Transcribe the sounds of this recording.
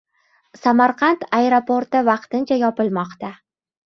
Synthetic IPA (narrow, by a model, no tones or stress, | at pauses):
samaɾqʰɑnt̪ʰaeɾopoɾt̪ɪvɑqt̪ɪnt͡ʃʰajɒpɪlˠmɒqt̪a